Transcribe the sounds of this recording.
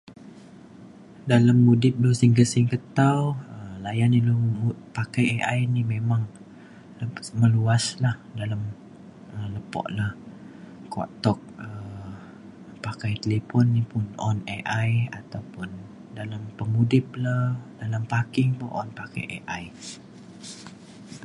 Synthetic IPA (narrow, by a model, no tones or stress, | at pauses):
dalamːudɪp̚losɪŋkəsɪŋkət̪awəmlajanilpakajeʔajnimemaŋ | məluaslahdalam | ələpɔ̰ʔlah | kɔ̰ʔt̪ɔk̚ə | pakajt̪əlepɔnːipʊnʔɔ̰neʔajat̪awpʊn | dalampəmudɪp̚lahdalampakɪŋpṵʔɔ̰npaka̰jʔḛʔaj